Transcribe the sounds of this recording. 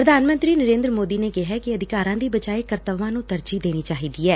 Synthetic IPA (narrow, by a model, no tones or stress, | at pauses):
pɾəd̪ʱaːnmə̃nt̪ɾiːnəɾẽːnd̪ɾəmoːd̪iːneːkɪɦɛːkɪəd̪ɪkaːɾãːd̪iːbəd͡ʒaːeːkəɾt̪əʋãːnũːt̪əɾd͡ʒiːd̪eːniːt͡ʃaːɦiːd̪iːɛː